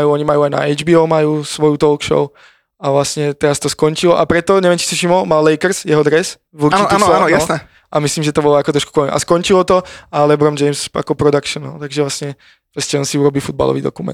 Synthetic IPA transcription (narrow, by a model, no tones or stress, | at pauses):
ajuːɔɲimajuːajna̰ɛjd͡ʒbiːɔːmajuːsʋɔjut̪ɔlkʃɔ̰ʊ | aʋlasɲɛt̪ɛɾast̪ɔskɔɲt͡ʃilɔʔapɾɛt̪ɔɲɛʋjɛmt͡ʃisaʃimɔmalːɛjkɛɾsjɛɦɔd̪ɾɛs | ʋuɾt͡ʃiijasnɛ | ʔamisliːmʒɛt̪ɔbɔlɔakɔt̪ɾɔʃku̥kɔimʔa̰skɔɲt͡ʃilɔt̪ɔalɛbɾɔmd͡ʒɛjmsa̰kɔpɾɔd̪akʃɔna̰lt̪aɡʒɛʋlasɲɛ | fɛsciɔnsiuɾɔbifud̪̚ba̰lɔ̰ʋiːd̪ɔ̰kumɛ̰nt̪